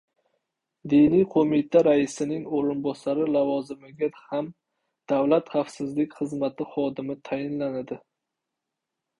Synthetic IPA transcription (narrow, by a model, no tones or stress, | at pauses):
d̪ɪnijqʰomɪt̪ʰaɾaɪsɪnɪŋoɾɪnbɒsaɾɪlavɒzɪmɪɡʲaham | d̪̥avlat̪χafsɪzlɪkʲχɨzmat̪ʰɪχɒd̪ɪmɪt̪ʰajɪnlanad̪ɪ